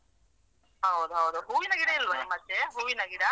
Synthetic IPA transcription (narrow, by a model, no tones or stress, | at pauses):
ɦɐwd̪uɦɐwd̪uɦuːʋinɐɡiɽɐilʋɐmɐt̪ːeɦuːʋinɐɡiɽɐ